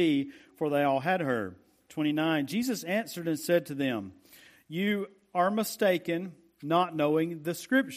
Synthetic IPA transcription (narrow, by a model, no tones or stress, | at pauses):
ifə˞ðeɪɔlˠɨd̚ə̰˞ | tʰw̥ɛ̃ɾ̃inãɪ̃nd͡ʒizɨsæ̃nsə˞ɾɨ̃nsɛd̚tʰɨðɨ̃m | jɨ | ə˞məsteɪkɨ̃nː | ətⁿnoʊɪ̃ŋðɨskɹɪp̚t͡ʃ